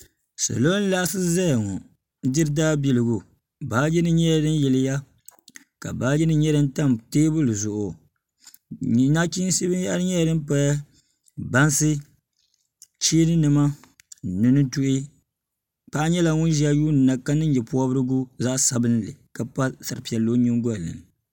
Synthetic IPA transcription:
sa̰˨lo˦n˦la˦ʔsɨ˦za˦˨ŋɔ˨ | dɪ˦ɾɨ˦daː˦bi˨lɨ˨ɡu˨ | baː˨˦d͡ʒɛ˦nɨ˦ɲɛ˦˨dɨ˦njɛ˨lɪ˦ja˦ | ka̰˨baː˦jɛ˦nɨ˦ɲɛ˦dɨ˦nta˦mteː˦bɨ˦lɨ˨zʊ˨ʔo˨ | na˦ki˦n˦si˦bɨ˦ja˦ɾɨ˦ɲɛ˦˨dɨ˦m˦pa˦ja˦ | ba˦nsɨ˦ | t͡ʃiː˦nɨ˦nɨ˨ma˦ | nɨ˨nɨ˦tu˦ʔi˦ | pa˦ʔa˦ɲɛ˦la˨ŋʊ˦n˦ʒi˨a˦juː˦nɨ˨na˨ka˦nɨ˦njɛ˨pu˦ɔ˦bɨ˦ɾɨ˦ɡu˦za˦ʔsa˨bɨ˦n˦lɨ̰˨ka˨pa˦sa˨ɾɨ˨pi˨ɛ˨lo˦ɲɪ˦ŋ˦ɡɔ˦˨lɨ̰˨n˨

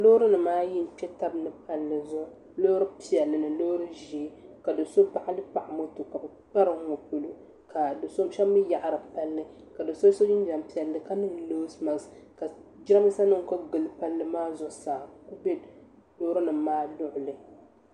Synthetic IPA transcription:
lo˦ɾɨ˦nɨ˨maː˦ji˦m̩˨pɛ˦ta˦bnɨ˨pa˦lːɨ˨zʊ˦ | lo˦ɾɨ˦pi˦ɛ˨lːɨ˨nɨ˨loː˦ɾɨ˦ʒi˦ka˨dɨ˨so˦pa˦ʔa˦lɨ˦pa˨ʔa˨mo˦to˨ka˨bɨ˨ | k͡pa˦ɾɨ˨˦ŋo˨pu˨lu˦ | ka˨dɨ˨so˦m˦ʃɛ˦mːɨ˦ja˨ʔa˨ɾɨ˨pa˦lːɨ˦ | ka˨dɨ˨so˦so˦d͡ʒɪ˦n˦d͡ʒa˨mpi˦ɛ˨lːɨ˨ka˦nɨ˦ŋ˨loː˦sma˨s | ka˨d͡ʒɪ˦a˦mi˦sa˦nɨ˦ŋ˨ko˦ɡɨ˨lɨ˨pa˦lːɨ˦maː˦zʊ˦˨saː˨ku˦be˦ | lo˦ɾɨ˦nɨ˨maː˦lʊ˦ʔʊ˨lɨ˨

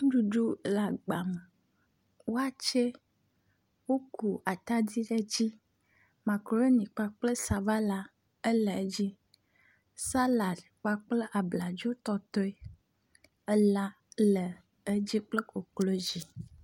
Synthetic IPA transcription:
ŋũ˦ɖu˨ɖu˦la˨ɡ͡ba˨m˨ | wo˦a˦t͡ʃe˦ | wo˦ku˨a˨t̪a˦di˦ɖe˨d͡ʑi˦ | ma˨kɾo˨˦e˦nĩ˨k͡pa˦k͡plə˦sa˨va˦la˦ | e˦lə˨e˦d͡ʑi˦ | sa˦la˨dk͡pa˦k͡ple˦ʔa˨bla˨d͡ʒo˦t̪ɔ˦t̪ɔ˦i˦ | ə˦la˦ | lə˨ | e˦d͡ʑi˦k͡ple˦ko˨klo˦d͡ʒi˨

